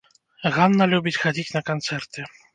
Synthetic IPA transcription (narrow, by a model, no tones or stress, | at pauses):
ɣanːɐlʲubʲit͡sʲxad͡zʲit͡sʲnɐkant̪sɛrt̪ɨ